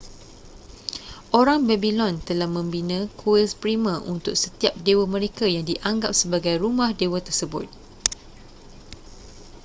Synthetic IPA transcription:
ʔoɾaŋbɛbilɔnt̪əlahmə̃mbinãkʰuɛspɾimãʔunt̪ʊk̚sət̪iap̚dewamə̃ɾekajaŋdiʔaŋɡap̚səbaɡajɾumãhdewat̪ərsəbʊt̪̚

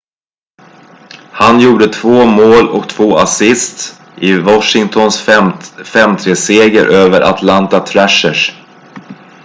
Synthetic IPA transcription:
hanjuːɖət̪ʰvoːmoːlɔ̰kt̪ʰvoːasɪst̪ | ʔɪvɔʂɪŋt̪ʰɔns | fɛmt̪ʰɾeːseːɡəɾʔøːvəɾʔa̰t̪ʰlant̪at̪ʰɾæʂəʂ

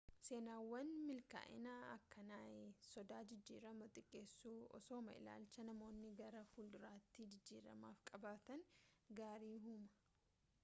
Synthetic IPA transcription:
se̞ːnaːwːɐnmɪlka̰ːʔɪ̰naːɐkːɐnaːjsɔd̪aːd͡ʒɪd͡ʒːiːɾɐmɐt̪ʼɪkʼːeːsːuːɔ̰soːmɐɪ̰la̰ːlt͡ʃɐnɐmo̞ːnːɪɡɐɾɐfuːld̪ʊɾaːt̪ːid͡ʒɪd͡ʒːḭːɾɐ̰maːfkʼɐbaːt̪ɐnɡaːɾiːɦʊmɐ̥

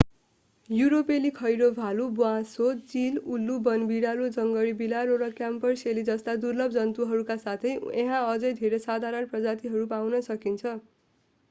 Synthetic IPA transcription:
juɾopelikʰʌjɾobʱalubuãsot͡silulːubʌnbiɽalod͡zʌŋɡʌɽibilaɾoɾʌkjampʌrselid͡zʌst̪ad̪urlʌb̚d͡zʌnt̪uɦʌɾukasat̪ʰʌjẽɦãʌd͡zʌjd̪ʱeɾesad̪ʱaɾʌnprʌd͡zat̪iɦʌɾupawnʌsʌkint͡sʰʌ

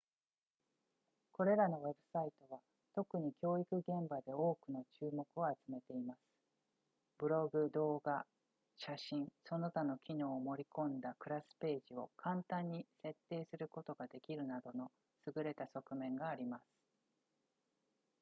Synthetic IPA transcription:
ko̞ɾe̞ɾano̞βe̞bɯ̟sait̪o̞βa | t̪o̞kɯ̟ɲ̟ikʲo̞ːikɯ̟ɡẽ̞mbad̪e̞o̞ːkɯ̟not͡ɕɨːmo̞kɯ̟o̞at͡sɨme̞t̪e̞imasɨ̥ | bɯ̟ɾo̞ɡɯ̟d̪o̞ːɡa | ɕaɕĩɰ̃so̞no̞t̪ano̞kʲino̞ːmo̞ɾʲikõ̞nd̪akɯ̟ɾasɨ̥pe̞ːʑio̞̰kʰãnt̪ãɲ̟ːise̞t̪ːe̞ːsɨɾɯ̟ko̞t̪o̞ɡad̪e̞kʲiɾɯ̟nad̪o̞no̞ | sɨɡɯ̟ɾe̞t̪aso̞kɯ̟mẽ̞ŋɡaːɾʲimasɨ̥

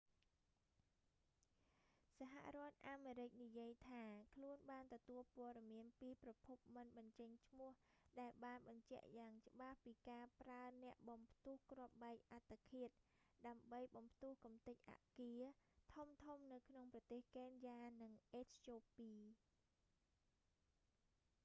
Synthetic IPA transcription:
saɦa̰ʔrŏət̪̚ʔaːmeːɾɨc̚nijiəjt̪ʰaːkʰluənɓaːnt̪ɔt̪uəlpŏəɗɑmiənpiːprɑpʰup̚mɨnɓɑɲt͡ɕəɲt͡ɕʰmʊ̆əhɗaɛlɓaːnɓɑɲt͡ɕɛ̆əʔjaːŋt͡ɕə̆ɓahpiːkaːpraənɛ̆əʔɓɑmpʰt̪uəhkroəp̚ɓaɛk̚ʔat̪ʰːakʰiət̪̚ɗaəmɓəjɓɑmpʰt̪uəhkumt̪ɨc̚ʔa̰ʔkiət̪ʰumt̪ʰumnɨwkʰnoŋprɑt̪eːhkeːnjaːnɨŋʔeːt͡ɕʰjoːpiː

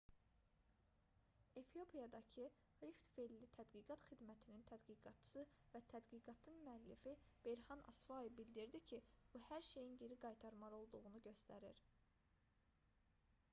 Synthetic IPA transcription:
efio̞pʰijɑd̪ɑcʰi | ɾift̪velːit̪ʰæd̪ɡiːɡɑt̪χid̪mæt̪ʰinint̪ʰæd̪ɡiɡɑt̪ʰːsɯvæt̪ʰæd̪ɡiɡɑt̪ʰɯnmyælːifib̥e̞jɾhɑnʔɑ̰svɑjevbild̪iɾd̪icʰib̥uhæɾʃe̞jinɟeɾiɡɑjt̪ʰɑɾmɑɾo̞lˠd̪uɣunuɟø̞st̪æɾiɾ

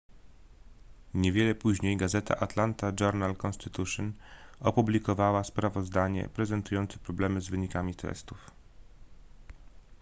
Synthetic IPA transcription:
ɲɛvʲjɛlɛpuʑɲejɡazɛt̪a̰ʔat̪lant̪ad͡ʒɔɾnalkɔnst̪ɘt̪uʂɔnɔpublʲikɔvawaspɾavɔzd̪aɲɛ̰pɾɛzɛnt̪ujɔnt̪sɛ̥pɾɔblɛmɘzvɘɲikamʲit̪ʰɛ̰st̪uf

